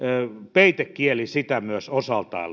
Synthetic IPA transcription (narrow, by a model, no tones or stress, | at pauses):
peit̪ekkielisit̪æmyøsosɑlt̪ɑ̰ˑil